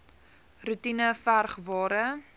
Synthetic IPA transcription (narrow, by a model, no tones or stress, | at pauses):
rutinəfærχvɑːɾə